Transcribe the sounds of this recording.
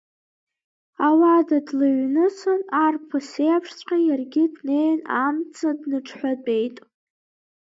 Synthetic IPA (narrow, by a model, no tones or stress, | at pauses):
awadadlaɥnɨsanarpʰasejapʰʂt͡sʷʼqʲajarɡʲɪdnejnamt͡sʰadnɨʈ͡ʂʰħʷᶣatʼe̞jtʼ